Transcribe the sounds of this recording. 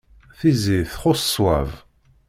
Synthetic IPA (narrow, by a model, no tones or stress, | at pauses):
θiziθχoswæ̰v